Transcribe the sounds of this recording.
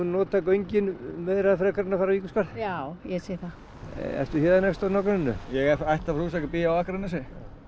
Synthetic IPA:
unɔːt̪akœɥjɲcɪnmɛðɾaðfɾɛkaɾɪnafaɾaviːkʏskaɾðawjɛsejθa | ɛ̰ft̪ʏçjɛːðanɛfst̪anɔkɾnɪnːʏ̰jɛɣɛɾajht̪avɾus̬akapiːjaawahkɾnɪs̬ɪ

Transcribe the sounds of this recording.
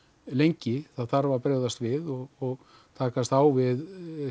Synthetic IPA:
lejɲcɪθaðθaɾvapɾɛːɣðast̪vɪðɔɣɔɣ | t̪ʰaːkast̪aːwvɪð

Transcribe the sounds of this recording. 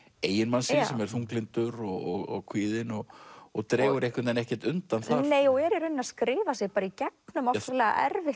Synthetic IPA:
eːjɪnmansɪsɛmɛɾ̥θuŋklɪnt̪ʏɾɔɣɔɣɔɣkʰviːðɪnɔɣɔɣt̪ɾɛːɣʏɾehkvɪt̪ɛnɛhcɛɾ̥t̪ʏnt̪anθaneːjɔɣɛɾɪɾʏnːaskɾɪːvasjɛɣpaːɾaicɛk̚nʏmɔfaɾlɛːɣa̰ʔɛ̰ɾvɪh

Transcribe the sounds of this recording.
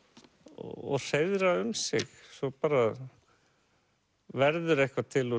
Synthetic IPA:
ɔ̰ɔ̰r̥ejðɾaʏmsɪ̰xsɔpaːɾa | vɛɾðʏɾehkvat̪ʰɪlɔ

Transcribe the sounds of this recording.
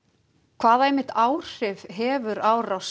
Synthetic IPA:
kʰvaːðaɛjmːɪht̪aːwr̥ɪvɦɛːvʏɾaːwraws

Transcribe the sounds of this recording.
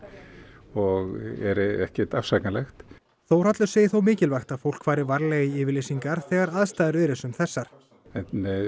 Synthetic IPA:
ɔɣɛ̰ɾɛhcɛt̪afsaknalɛxt̪ | θowr̥at̪lʏseːjɪθowmɪːcɪlvajxt̪aðfowl̥kvaːɾɪvaɾleɣiɪːvɪɾlejsiŋkaɾ̥θɛːɣaɾaðst̪ajðɪɾɛːɾɪsʏmθɛsːaɾ̥ | ɛt̪nɪ

